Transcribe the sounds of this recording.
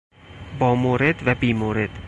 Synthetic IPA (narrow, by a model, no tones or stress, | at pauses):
bɒːmoːɾed̪væbiːmoɾed̪̥